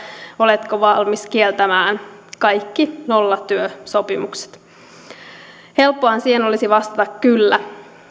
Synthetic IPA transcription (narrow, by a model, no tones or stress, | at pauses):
o̞let̪koʋɑlmiskielt̪æmæːnkɑjkːinolːɑt̪yøso̞pimukse̥t̪ | he̞lpːoɑnsiːheno̞lisiʋɑst̪ɑt̪ɑkkylːæ